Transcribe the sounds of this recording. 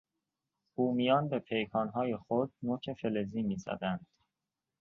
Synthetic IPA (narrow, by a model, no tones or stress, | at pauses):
buːmijɒːnbe̞pʰe̞jkʰɒːnɦɒːje̞xod̪̚noːcʰe̞fe̞leziːmiːzæ̰d̪ænd̪̥